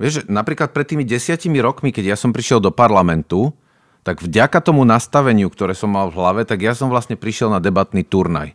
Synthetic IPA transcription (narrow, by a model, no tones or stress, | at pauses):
ʋɪɛʒʒɛnapɾiːklat̪̚pɾɛt̪ːiːmiɟɛsɪacimiɾɔkmikɛɟjasɔmpɾiʃɪɛld̪ɔpaɾlamɛnt̪u | t̪aɡvɟakat̪ɔmunast̪aʋɛɲɪukt̪ɔɾɛːsɔmːalvɦlaʋɛt̪aɡjasɔmʋlastɲɛpɾiʃɪɛlnad̪ɛbat̪nit̪uɾna̰j